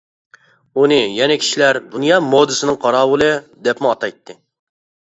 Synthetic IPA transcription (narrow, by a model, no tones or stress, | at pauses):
unɨjɛnɛkʲʰi̥ʃilæɾb̪unjɑːmod̪ɨsɨnɨŋqʰɑɾɑːwʊlˠɨd̪ɛpmuɑt̪ɑjt̪ʰːɨ